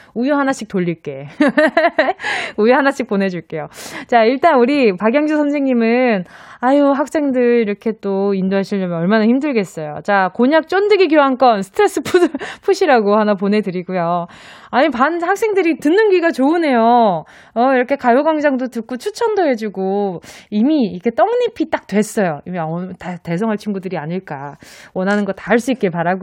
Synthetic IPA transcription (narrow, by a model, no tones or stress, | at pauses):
ujoɦanaɕ͈ik̚t͈oʎːiɭk͈e̞ | ujoɦanaɕ͈ʰik̚p͈one̞d͡ʑuɭk͈e̞jot͡ɕaiɭt͈anuɾipaɡjʌŋd͡ʑusʰʌnsʰeŋɲimɯnajoɦak̚s͈e̞ŋdɯɾiɾʌkʰe̞t͈oindoɦaɕʰiɭːʌmʌnʌɭmanaçimdɯɭɡe̞s͈ʌjo̰t͡ɕakoɲak̚t͡ɕ͈ondɯɡiɡjoɦank͈ʌnsʰɯ̥tʰɯɾe̞s͈ɯpʰudɯɭpʰuɕʰiɾaɡohanapone̞dɯɾiɡujo | aɲipanhak̚s͈e̞ŋdɯɾitɯnːɯnɡiɡat͡ɕoɯne̞jo | ʌiɾʌkʰe̞kajoɡwaŋd͡ʑaŋdotɯk͈ot͡ɕʰut͡ɕʰʌndoɦe̞d͡ʑuɡoimiːkʰe̞t͈ʌŋɲipʰit͈ak̚twe̞s͈ʌjoimiatate̞sʰʌŋɦaɭt͡ɕʰinɡudɯɾiaɲiɭk͈a̰wʌnɦanɯnɡʌtaɦaɭs͈uik͈̚epaɾaɡo